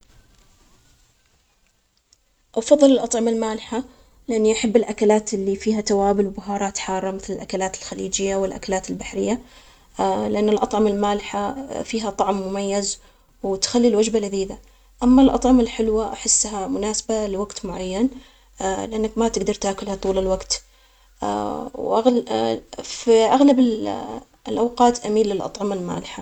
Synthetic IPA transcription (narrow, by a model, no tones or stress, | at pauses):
ʔafɑðˤːɨlɪlʔɑt̪ˤʕɑmalmaːlɪħa | lɪʔanːiʔaħabːɪlʔakalaːt̪ɪlːifiːhat̪awaːbɪlwbʊɦɑːɾˤɑːt̪ħɑːrˤːɑmɪθlɪlʔakalaːt̪ɪlxalḭːd͡ʒɪjːawɪlʔa̰kalaːt̪ɪlbaħɾɪjːa | lɪʔanːɪlʔɑt̪ˤʕɑmalmaːlɪħafiːɦat̪ˤɑʕmːʊmajːaz | wt̪xalːilwad͡ʒbalaðiːd̪a | ʔamːalʔɑ̰t̪ˤʕɑmalħɪlwaʔaħɪsːɦamʊnaːsḁbalɪwaɡt̪mʊʕajːan | lɪʔanːakmat̪ɪɡd̪ɑɾˤt̪aːkʊlhat̪ˤuːlɪlwaɡt̪ | wʔaɣ | fiʔaɣlabɪ | lʔawqɑːt̪ʔamiːlːɪlʔɑ̰t̪ˤʕɑmalma̰ːlɪħa